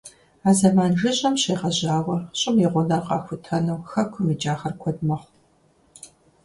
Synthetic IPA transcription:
aːzɐmaːnʒɨɕʼɐmɕeːʁɐʑaːwɐɕʼɪmjiʁʷʊnɐrqɑ̰ːxʷʊtʰɐnɐwxɐkʷʰʊmid͡ʒaːχɐrkʷʰɔd̚mɐχ

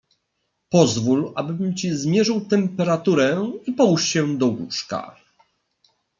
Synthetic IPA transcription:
pɔzvulʔabɘbɘmt͡ɕizmʲjɛʐɨwt̪ɛmpɛɾat̪uɾɛipɔwʂɕɛd̪ɔɡṵʂka̰

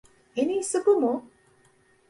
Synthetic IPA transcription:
eniːsukumu

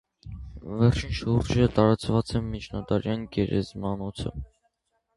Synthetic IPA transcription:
vɛrt͡ʃʰinʃuɾd͡ʒət̪ɑɾɑt͡svɑt͡sɛmit͡ʃʰnɑt̪ɑɾjɑnɡɛɾɛ̰zmɑnɔt͡sʰə̰

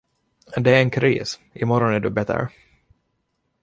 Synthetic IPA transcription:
d̪ɛæɾɛnkʰɾḭːsɪmɔɾɔnæɖɵbɛt̪ə̰ɾ

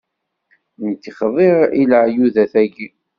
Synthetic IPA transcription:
nt̪ːiχəðˤeʁiləʕjuðæθæɡi

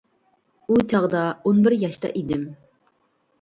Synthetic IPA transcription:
ut͡ʃʰɑʁd̪ɑonbɪɾjɑʃt̪ɑ̰ʔid̪ɪm

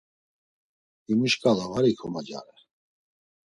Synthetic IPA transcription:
imuʃkʼalavaɾikʰɔmad͡ʒa̰ɾɛ

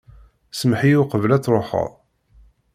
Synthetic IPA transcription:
səmħijuqəvəlæt͡sːɾˤoħə̰ʁˤ

